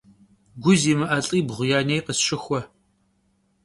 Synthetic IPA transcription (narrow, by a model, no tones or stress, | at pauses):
ɡʷʊziːmɨʔɐɬʼiːbʁʷʊjaːnejqəsʃɪxʷɔ